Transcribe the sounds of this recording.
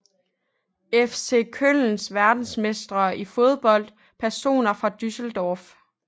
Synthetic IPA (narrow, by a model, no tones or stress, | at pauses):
efse̝̰ːkʰøl̰n̩sʋæɐd̥n̩smesd̥ʁɐʔifo̝ð̞̩ˠb̥ɒ̽l̰d̥ | pʰæɐso̝̰ːnɐfʁɑ̈d̥ysəl̩d̥ɒːf